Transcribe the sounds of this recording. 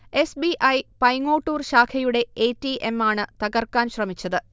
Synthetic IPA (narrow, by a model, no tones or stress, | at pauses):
e̞sbiʔɐjpɐjŋo̞ːʈːuːrɕaːkʰɐjuɽe̞eːtːiʔemːaːɳɨt̪ɐɣɐrkaːnɕrɐmit͡ɕːɐðɨ